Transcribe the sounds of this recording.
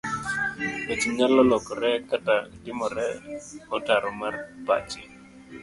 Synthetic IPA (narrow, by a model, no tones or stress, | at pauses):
et͡ʃiɲalɔlɔkɔɾɛkatadɪmɔɾɛɔtaɾɔmarbat͡ʃɪ